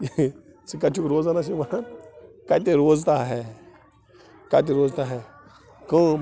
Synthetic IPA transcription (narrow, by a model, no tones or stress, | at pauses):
t͡sikat͡ʃukɾwozanaʃ̬iwʷaa | kat̬eɾwoztaɦe | kat̬eɾwoztae | ko